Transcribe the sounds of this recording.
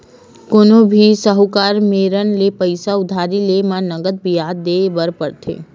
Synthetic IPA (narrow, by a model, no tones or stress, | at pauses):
koːnõbʱisəɦukaːɾmeːɾənlepəɪsaʊd̪ʱaːɾilemãnɐɡəd̪̚bʱijaːd̪ːeːbəɾpəɾt̪ʰḛː